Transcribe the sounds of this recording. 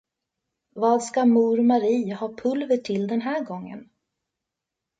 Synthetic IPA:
vɑːd̪skamuːɾmaɾiːhɑːpʰɵlvəʈʰɪld̪ɛnɦæːɾɡɔŋːə̰n

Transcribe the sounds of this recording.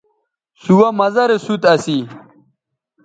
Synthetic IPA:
suwɐmɐzɐɾesut̪ɐsi

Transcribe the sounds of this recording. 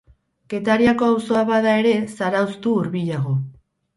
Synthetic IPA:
ke̞t̪aɾiako̞awso̞aβaðae̞ɾe̞saɾawst̪uːɾβiʎaɣo̞

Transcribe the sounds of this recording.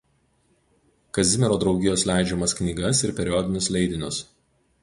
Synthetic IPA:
kɐzʲɪmʲɛɾoːd̪ɾɒʊɡʲɪjoːslʲæˑɪd͡ʒʲɛmɐsknʲiːɡɐsɪɾpʲɛɾʲɪjɔd̪ʲɪnʲʊslʲɛɪd̪ʲɪnʲʊs

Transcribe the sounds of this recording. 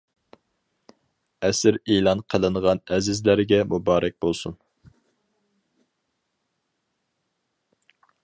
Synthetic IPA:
ɛsɪɾelˠɑnqʰəlˠɨnʁɑnɛzɪzlæɾɡʲɛmubɑːɾʔɛk̚ʲbolˠsun

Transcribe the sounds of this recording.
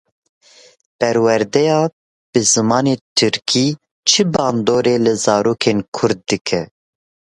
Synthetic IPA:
pɛɾwɛɾd̪ɛjɑː | b̥ɨzɨmɑːneːt̪ʰɨɾkʰiː | t͡ʃʰɨbɑːnd̪oːɾeːlɨzɑːɾoːkʰeːnkʰʊɾd̪̚ːɨkʰɛ

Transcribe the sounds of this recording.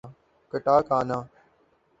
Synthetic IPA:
kəʈaːkaːnãː

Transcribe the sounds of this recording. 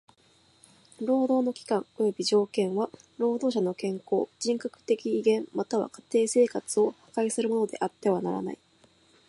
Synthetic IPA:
ɾo̞ːd̪o̞ːno̞kʲi̥kãŋo̞jo̞bʲiʑo̞ːkẽ̞ɰ̃βa | ɾo̞ːd̪o̞ːɕano̞kẽ̞ŋko̞ːd͡ʑĩŋkakɯ̟̥t̪e̞kʲiːɡẽ̞mmat̪aβ̞a̰kḁt̪e̞ːse̞ːkat͡sɨo̞hḁkaisɨɾɯ̟mo̞no̞d̪e̞̰ʔat̪ːe̞β̞anaɾa̰na̰i

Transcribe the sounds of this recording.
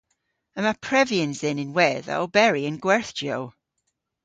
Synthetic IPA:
ə̃məpʰɹ̥ɛviə̃nzɪnɪ̃nwɛðə̰bɛɹiə̃nɡwɛɹθd͡ʒjow

